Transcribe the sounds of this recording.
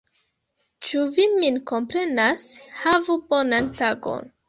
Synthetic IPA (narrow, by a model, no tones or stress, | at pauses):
t͡ʃuviminko̞mpɾe̞nashavubo̞nantaɡo̞̰n